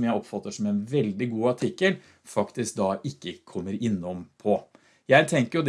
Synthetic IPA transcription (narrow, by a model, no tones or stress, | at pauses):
mjæɪɔpfɑt̪ːəʂɔmɛnʋɛld̪ɪɡuːɑʈʰɪkːəl | fɑkt̪ɪsk̚d̪ɑʔɪkːəkʰɔmːəɾɪnːɔmpʰɔ | jæɪt̪ʰɛŋkəɾjʊd̪